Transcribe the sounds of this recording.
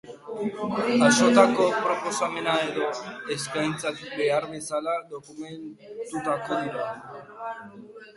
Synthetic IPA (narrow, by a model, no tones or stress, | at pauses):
aʃot̪ako̞pɾopo̞same̞naeðo̞eskajnt͡sat̪ik̚be̞aɾβe̞salad̪o̞kument̪ut̪akoðiɾa